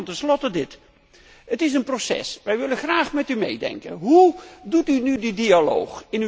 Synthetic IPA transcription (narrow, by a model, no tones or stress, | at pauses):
ntɛnslɔtədɪt | ətɪs̬ənprosɛ̰sʋɛjʋɪlənχraːχmɛtymḛjdɛ̰ŋkə̰nɦudutynydədialo̰wχɪn